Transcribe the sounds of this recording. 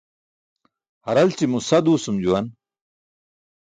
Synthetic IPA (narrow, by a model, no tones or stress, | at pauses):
hɐɾɐlt͡ɕimusɐd̪uːsumd͡ʑuwɐn